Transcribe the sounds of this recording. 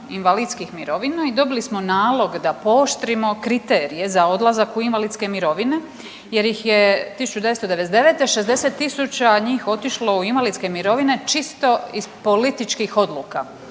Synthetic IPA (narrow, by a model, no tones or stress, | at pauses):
inʋaliːd̪skixmiɾo̞ʋinaid̪o̞bilismo̞naːlˠo̞ɡd̪apo̞ːʃt̪ɾimo̞kɾit̪e̞ːɾije̞zao̞d̪lˠazakuinʋalid̪ske̞miɾo̞ʋine̞ | je̞ɾjixjet̪isu̥t͡ʃud̪eʋest̪od̪e̞ʋed̪e̞ʋet̪eʃe̞zd̪e̞se̞t̪ːisut͡ɕaɲiːxo̞t̪iʃlo̞uinʋalit̪ske̞miɾo̞ʋine̞t͡ʃist̪o̞iz̥po̞lit̪it͡ʃkixo̞d̪luːka